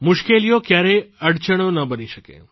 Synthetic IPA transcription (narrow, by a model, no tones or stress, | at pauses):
mʊʃkelijokjaɾeəɽt͡ʃəɽ̃onəbəniʃəkḛ